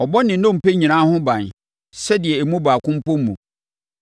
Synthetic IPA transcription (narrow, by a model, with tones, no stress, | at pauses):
ɔ˨bɔ˦nɪ̃˨˦nʊ̃˦˨m̩˨pe˦ɲĩ˨nã˦hʊ̃˦bã˨n | sɛ˦dɪ˨ɛ˨ɛ˨mũ˦baː˨kʰʊ̃˦m̩˦pɔ˦m˦mũ˨